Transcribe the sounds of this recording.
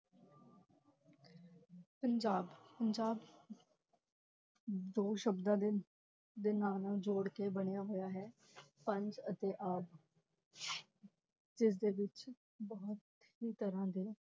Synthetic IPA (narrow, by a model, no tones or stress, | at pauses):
pəɲd͡ʒaːbpəɲd͡ʒaːb | d̪oːʃəbd̪ãːd̪e | d̪eːnaːlnãːd͡ʒoːɽkeːbəɳ̃ejaːɦoːjaːɦɛː | pəɲd͡ʒət̪eːʔaːb | d͡ʒɪs̬d̪eːʋɪt͡ʃ | bɔːt̪ | ɦiːt̪əɾãːd̪eː